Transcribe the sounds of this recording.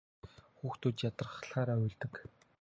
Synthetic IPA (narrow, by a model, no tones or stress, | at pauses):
xuːxt̪ʰut̪jat̪ə̆rχɬχaːɾaːʊjɮt̪ɘ̆k